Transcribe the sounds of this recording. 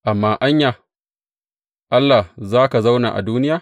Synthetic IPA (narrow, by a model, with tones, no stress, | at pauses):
ʔa˨mːaː˦ʔa˦ɲjaː˨ | ʔa˦lːa˨hzaː˦ka˨za˦wna̰ː˨ʔa̰˨duː˦nɪ˦jaː˨